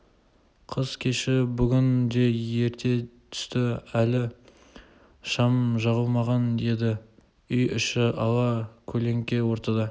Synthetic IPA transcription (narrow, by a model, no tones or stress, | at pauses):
qʰəz̥kʲʰe̞ʃɪbʏɡʲɪnd̪e̞je̞ɾt̪ʰe̞t̪ʰʏ̥st̪ɪælɪ | ʃɑmʒɑʁəlˠmɑʁɑnd̪e̞d̪ɪ | ʏjʏʃɪʔɑlˠɑkʲʰɵle̞ŋkʲe̞wo̞ɾt̪ɑd̪ɑ